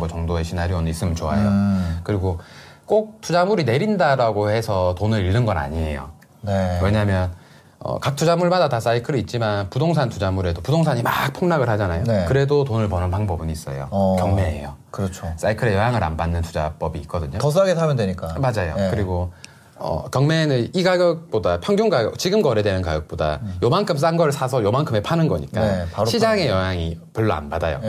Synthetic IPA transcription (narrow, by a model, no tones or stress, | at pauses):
ɡot͡ɕʌŋdoe̞ɕʰinaɾionɯis͈ɯmjʌnt͡ɕoa̰jokɯɾiɡo | k͈ok̚tʰud͡ʑamuɾine̞ɾindaɾaɡohe̞sʰʌtonɯɾiɭːɯnɡʌna̰ɲie̞̰jo̰ | neweɲamjʌn | ʌ̰kak̚tʰud͡ʑamuɭmadatas͈aikʰɯɾiːt̚t͡ɕ͈imanpudoŋsʰantud͡ʑamuɾe̞dopudoŋsʰaɲimak̚pʰoŋnaɡɯɭhad͡ʑanajonekɯɾe̞dotonɯɭpʌnɯnpaŋbʌbɯnis͈ʌ̰jo̰kjʌŋme̞ḛjo̰kɯɾʌt͡ɕʰos͈aikʰɯɾe̞jʌɦjaŋɯɾa̰nbanːɯntud͡ʑa̰p͈ʌbiːk͈̚ʌdɯɲotʌs̬ʰɯaɡesʰamjʌndweɲik͈amad͡ʑajo̰kɯɾiɡo | ʌ̰kjʌŋme̞nɯniɡaɡjʌk̚p͈odapʰjʌŋɡjoŋɡaɡjʌk̚t͡ɕiɡɯmɡʌɾe̞dwenɯnka̰ɡjʌk̚p͈oda̰jomankʰɯms̬͈aŋɡʌɾɯɭsʰasʰʌjomaŋkʰɯme̞pʰanɯnɡʌ̰ɲḭk͈aɕʰid͡ʑaŋe̞jʌɦjaŋipʌɭːʌa̰nbadajo̰